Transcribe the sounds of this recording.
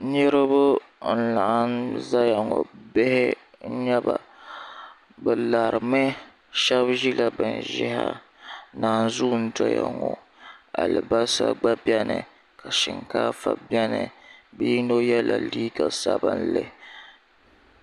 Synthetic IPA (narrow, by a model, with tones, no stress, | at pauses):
ɲɛ˦ɾɨ˦bʊ˦n̩˦la˨ʔa˦nza˦ja˨ŋɔ̰˨be˦hɪ˦ | ɲɛ˦ba˨ | bɨ˨la˨ɾɨ˨mɨ˦ | ʃɛ˦bʒi˦la˦bɨ˨nʒɪ̰˦ha̰˦ | naː˨n˨zu˦n̩˦dɔ˦ja̰˨ŋɔ˨ | a˨lɨ˨ba˦sa̰˦ɡ͡ba˦bɛ˦nɨ̰˨ | ka˨ʃɪ˨ŋkaː˦fa˨bɛ˦nɨ˨biː˦no˦jɛ˦la˨liː˦ɡa˨sa˦ba˦n̩˦lɨ˦